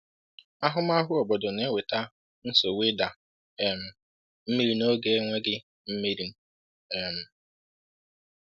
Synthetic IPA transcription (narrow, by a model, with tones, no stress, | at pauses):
a˦ɦʊ˦m˦a˦ɦʊ˦ɔ˨bɔ˨dʊ˨ne˦we˨ta˦ | n̩˦so˨we˦da˨ | e˨m̩˨ | m̩˦mi˦ɾi˦no˦ɡe˦e˦ŋʷe˦ɡɪ˦ | m̩˦mi˦ɾi˦n̩˦ | e˨m̩˨